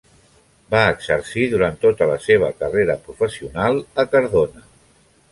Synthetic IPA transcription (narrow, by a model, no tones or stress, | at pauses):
baəɡz̥əɾsiðuɾant̪ot̪ələseβ̞əkəreɾəpɾufəsiunalˠəkəɾðonə